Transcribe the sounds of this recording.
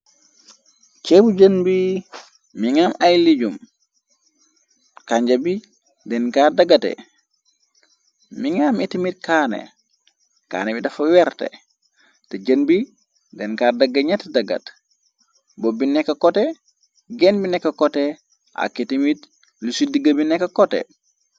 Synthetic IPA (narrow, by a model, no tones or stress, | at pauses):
t͡ʃɛbuɟənbi | miŋamajliɟum | kaɲɟabi | dɛnkadaɡatɛ̰ | miŋametimit̚kaːnḛ | ka̰ːnɛbidɐfɐwɛɾtɛ̰ | teɟənbi | dɛnkaːdɐɡːaɲatdɐɡa̰t | bobinɛkːɐkɔtɛ | ɡɛnbinɛkːɐkɔtɛ | a̰kitimit | lisudiɡɐbinɛkːɐkɔtɛ̰